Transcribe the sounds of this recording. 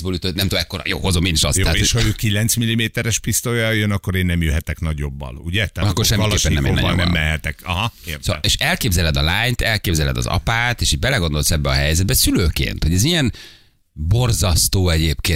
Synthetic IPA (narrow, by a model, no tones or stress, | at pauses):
boːlyt̪øt̪nɛmt̪omɛkːoɾɒ̰jo̰ːɦozomeːniʃɒ̰stt̪ɛaːeoʃhɒøːkilɛnt̪smilːimeːt̪ɛɾɛʃpist̪ojɒjønɒkːoɾeːnːɛmjøɦɛt̪ɛknɒɟobːɒ̰luɟɛt̪ɛːkkːorʃɛmːieːpːɛnnɛmḛɛ̰bnnɛmːɛɦɛt̪ɛkɒɦɒkesoeːʃɛlkeːbzɛlɛd̪ɒlaːɲt̪ɛlkeːbzɛlɛ̰d̪ɒ̰zɒ̰paːt̪eːʃiːɟ̚bɛlɛɡo̞nd̪o̞lsɛbːɛɒɦɛjzɛd̪bɛsyløːkḛːnt̪ho̞ɟɛzijɛn | bo̞rzɒst̪oːɛɟeːpkeː